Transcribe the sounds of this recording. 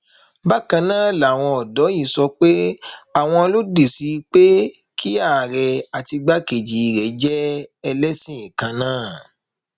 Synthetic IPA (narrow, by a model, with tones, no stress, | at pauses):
ba˦kã˧nãː˦˨la˨w̃ɔ̃˧ɔ˨dɔ˨˦i˦˨sɔ˧k͡pe˦a˦˨w̃ɔ̃˧lo˦de˨si˨˦˧k͡pe˦kʰi˦a˦˨ɾɛ˨a˨ti˧ɡ͡ba˦ke˨d͡ʒi˨i˨ɾɛ˨˦d͡ʒɛ˦ɛ˧lɛ˦sĩ˦ĩ˨kã˧nãː˦˨